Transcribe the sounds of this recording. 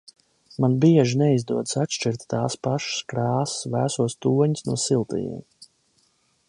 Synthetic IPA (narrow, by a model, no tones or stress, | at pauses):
manbiɛʒinɛizd̪uɔd̪satʃt͡ʃiɾt̪ʲt̪aːspaʃskɾaːssvæːsuɔst̪uːɔɲisnuɔsilˠt̪ḭjḭɛm